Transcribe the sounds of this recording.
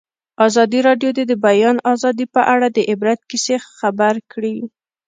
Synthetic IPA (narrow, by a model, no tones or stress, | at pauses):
ɑzɑd̪iɾɑɖjod̪ed̪əbajɑnɑzɑd̪ipəʔaɽad̪əʔɪbɾat̪̚kisexabaɾkɽi